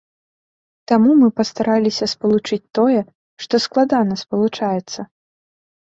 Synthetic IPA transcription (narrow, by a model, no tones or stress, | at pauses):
t̪amumɨpɐst̪aɾʔalʲisʲɐspɐlˠut͡ʂɨt͡sʲt̪ɔjɛ | ʂt̪ɔsklˠad̪anɐspɐlˠut͡ʂajɛt̪sːɐ